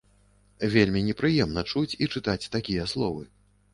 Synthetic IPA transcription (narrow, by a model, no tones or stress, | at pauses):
vʲelʲmʲinʲɛpɾɨjɛmnɐt͡ʂut͡sʲit͡ʂɨt̪at͡sʲt̪akʲijɐslˠɔvɨ